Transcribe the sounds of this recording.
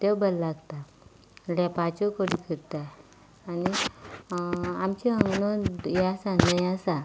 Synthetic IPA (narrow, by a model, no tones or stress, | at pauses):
t̪ewbəllaɡt̪a | ljapat͡ɕɔkəɽikəɾt̪a | ani | amt͡ɕiəŋɡnɔjasanəjasa